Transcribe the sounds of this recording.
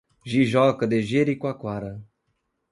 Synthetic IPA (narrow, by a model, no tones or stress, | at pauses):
ʒiʒɔkɐd̪eʒeɾikwakwaɾɐ